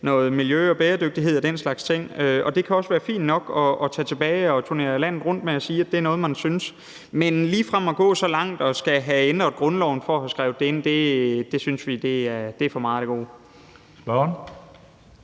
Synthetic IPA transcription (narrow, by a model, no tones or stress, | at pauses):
nɔ̽ːð̞̩ˠmiljøɒ̽b̥eːɐd̥øɡ̥̚d̥iɦe̝ð̞̰ˠɒd̥enslɑ̈ɡ̥st͡sʰeŋ̰øɒ̽d̥e̝kʰæɒ̽sʋæːɐfḭːnnɒ̽ɡ̥ɒ̽ɒ̽t͡sʰɛ̰ːt͡sʰe̝b̥ɛːɪɒ̽t͡sʰune̝̰ːɐlæn̰ð̞̩ˠʁɔ̽n̰d̥meɒ̽siːæd̥e̝æɐnɔ̽ːð̞̩ˠmænsyns | menliːfʁam̰ɒ̽ɡ̥ɔ̰̽ːsɒ̽lɑ̈ŋ̰d̥ɒ̽sɡ̥æɦæend̥ʁɐ̥ɡ̥ʁɔ̽nlɒʊn̩fɒɒhæsɡ̥ʁaʊ̥d̥ee̝n̰d̥e̝d̥e̝synsʋid̥e̝æɐd̥e̝æɐfɒ̽mɑ̈ːd̥eɡ̥o̝̰ː | sb̥ɶn